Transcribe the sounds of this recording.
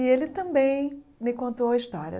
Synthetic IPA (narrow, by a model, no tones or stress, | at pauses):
ielɪt̪ɐ̃mbẽj̃mɪkõnt̪oɐɪʃt̪ɔɾɐ̰